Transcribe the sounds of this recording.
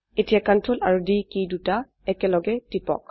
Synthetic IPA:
etijakantɹolaɹudikiduta | ɛkɛlɔɡɛtipɔ̰k

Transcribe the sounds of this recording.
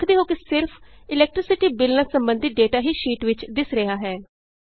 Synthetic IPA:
kʰd̪eːɦoːkɪsɪɾpʰ | ɪlɛːk̚ʈɾɪsɪʈiːbɪlnəsəmbənd̪ʱɪt̪̚ɖeːʈaːɦiːʃiːʈʋɪt͡ʃd̪ɪsɾəɦaːɦɛː

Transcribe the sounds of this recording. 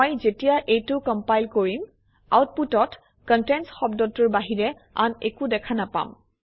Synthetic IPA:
ojzetijaʔejtʊkɔmpajlkoɹim | a̰wt̚putɔt | kɔntɛnsxɔbdɔtːʊɹbaɦiɹɛ | a̰nḛkudɛkʰanapa̰m

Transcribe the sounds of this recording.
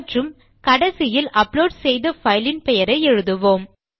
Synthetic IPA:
ʈrɯm | kɐɽɐsɪjɪlɐploːɖsɛjðɐfɐɪlɪnpɛjɐɾɐɪɛɻɯðɯʋoːm

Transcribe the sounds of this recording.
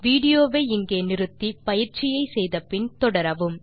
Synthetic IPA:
ʋiːɽɪjoːʋeːɪŋɡeːnɪɾɯt̪ːipɐjɪɾt͡ʃɪjɐɪsɛjðɐpɪnt̪ɔɽɐɾɐʋɯm

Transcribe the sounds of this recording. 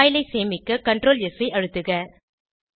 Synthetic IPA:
jɪlɐɪseːmɪkːɐkɐɳɖɾoːljɛsɐɪʔɐɻɯt̪ːɯɣɐ

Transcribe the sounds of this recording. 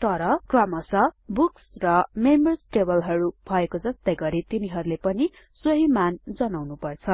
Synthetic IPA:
t̪ʌɾʌkrʌmʌsʌbuksrʌmembʌrsʈebʌlɦʌɾubʱʌekod͡zʌst̪ʌjɡʌɾit̪iniɦʌɾulepʌni | soɦimand͡zʌnawnupʌrt͡sʰʌ

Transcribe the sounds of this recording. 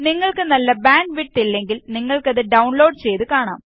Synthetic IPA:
niŋːɐɭkɨnɐlːɐbaːɳɖʋiʈːilːe̞ŋɡilniŋːɐɭkɐðɨɖɐwɳlo̞ːɖt͡ɕe̞jt̪ɨkaːɳa̰ːm

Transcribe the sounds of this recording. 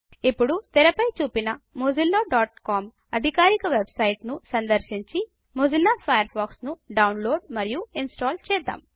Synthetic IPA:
ipːuɽut̪ɛɾɐpɐjt͡ʃuːpinɐmod͡ʒilːoːɖaːʈkaːm | ɐd̪ʱikaːɾikɐʋebsɐjʈnusɐnd̪ɐɾʃiɲt͡ʃi | mod͡ʒilːaːpʰɐjɐɾbaːksnuɖɐwnlo̞ːɖmɐɾijuinsʈaːlt͡ʃɛːd̪a̰ːm

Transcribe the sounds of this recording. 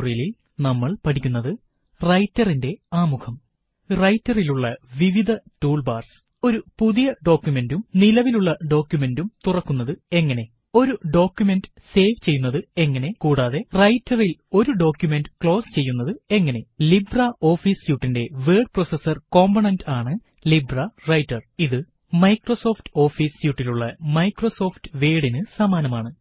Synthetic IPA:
rijɐlil | nɐmːɐɭpɐʈʰikʲːunːɐðɨ | rɐjtːɐrinde̞aːmukʰɐm | rɐjtːɐriluɭːɐʋiʋid̪ʱɐtuːɭbaːrsɨ̥ | o̞ɾupuðijɐɖo̞ːkːjume̞ndumnilɐʋiluɭːɐɖo̞ːkʲːjume̞ndumt̪urɐkːunːɐðɨe̞ŋːɐne̞ | o̞ɾuɖo̞ːkʲjume̞ndɨ | se̞ːʋt͡ɕe̞jːunːɐðɨe̞ŋːɐne̞kuːɽaːðe̞rɐjtːɐrilo̞ɾuɖo̞ːkjume̞ndɨkɭo̞ːst͡ɕe̞jːunːɐðɨe̞ŋːɐne̞librɐo̞ːfiːsjuːʈːinde̞ʋeːɖ̚prosesːɐrko̞ːmbɐɳɐndaːɳɨ | librɐrɐjtːɐriðɨ | mɐjkroso̞ːftɨ̥o̞ːfiːsjuːʈːiluɭːɐmɐjkro̞so̞ːftɨʋeːɽinɨsɐmaːnɐmaːɳɨ

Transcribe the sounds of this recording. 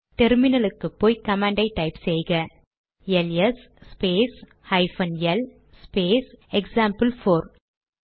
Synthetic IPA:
ʈɛɾmɪnɐlɯkːɯpːoːjkɐmaːɳɖɐɪʈːɐɪpsɛjɣɐ | jɛlɛs | speːs | hɐɪfɐnjɛl | speːsɛksaːmpɐlfoːɾ

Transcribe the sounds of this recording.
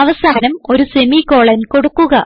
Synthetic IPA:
ɐʋɐsaːnɐmo̞ɾuse̞miko̞ːɭɐnko̞ɽukːuɣɐ

